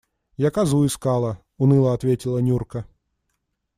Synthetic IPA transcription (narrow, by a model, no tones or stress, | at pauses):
jakazuiskalˠɐ | unɨlˠɐːt̪vʲetʲilˠɐnʲurkɐ